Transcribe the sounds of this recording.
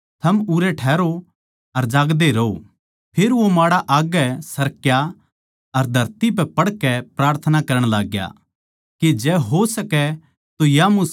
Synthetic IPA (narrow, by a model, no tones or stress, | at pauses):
t̪ʰɐmuɾɛʈʰɛːɾo | ɐɾd͡ʒaːɡd̪eɾɐo | pʰeɾʋomaːɽaʔaːɡɛsɐɾkja | ɐɾd̪ʱɐɾt̪ip̬ɛpɐɽkɛpɾaːɾt̪ʰənakɐɾəɽ̃laːɡja̰ | ked͡ʒɛːɦosɐkɛ | t̪ojamʊs